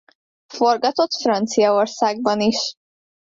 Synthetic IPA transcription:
fo̞rɡɒt̪ot̪frɒnt̪sijɒorsaːɡ̚bɒniʃ

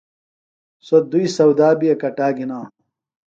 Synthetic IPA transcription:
sod̪uisɐwd̪aːbiɐkɐʈaːɡinãː

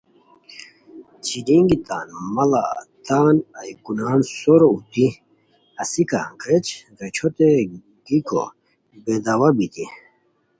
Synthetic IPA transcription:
t͡ɕidiŋɡit̪aːnmɐla̰t̪aːnɐjkunaːnsoɾout̪i | ɐsika̰ket͡ɕɾet͡ɕʰot̪e | ɡiko̰ | bed̪awabit̪i

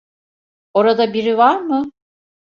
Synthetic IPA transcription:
oɾad̪abiɾivaɾmɯ

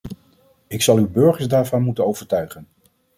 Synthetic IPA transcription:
ɪksɑlˠywbɵɹχəɹzdaːɹvɑnmutənowv̥əɹtœɥχən

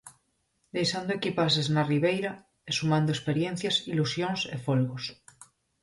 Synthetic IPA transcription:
d̪e̞jsand̪oekipas̬eznariβ̞ejɾa | esumãnd̪oespe̞ɾjẽn̟θjasilusjonsḛfolɣos

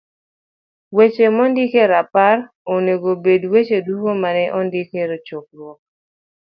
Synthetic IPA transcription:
wet͡ʃemɔndɪkeɾapar | oneɡobedwet͡ʃedukomanɛʔɔndikeɾot͡ʃok̚ɾwɔ

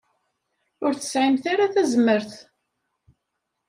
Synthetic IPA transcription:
ʊɾθə̥sʕimθaɾaθæzəmːəɾθ

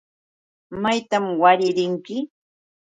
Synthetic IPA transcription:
majt̪amwaɾɪɾɪŋkɪ

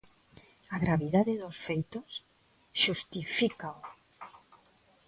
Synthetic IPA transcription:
aɣɾaβiðaðeðosfejt̪os | ʃust̪ifikao

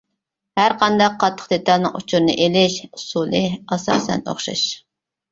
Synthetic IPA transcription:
hæɾqʰɑnd̪ɑqʰːɑt̪ʰːə̥χd̪et̪ʰɑlˠnɨ̰ŋʔṵt͡ʃʰuɾnɨ̰ʔelɪʃsulˠɨɑsɑ̰ːsɛ̰no̰χʃɑ̰ʃ

